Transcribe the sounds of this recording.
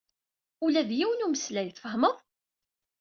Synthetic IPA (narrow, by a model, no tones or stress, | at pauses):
ʊlæðjiwənuməslæjθfəhməðˤ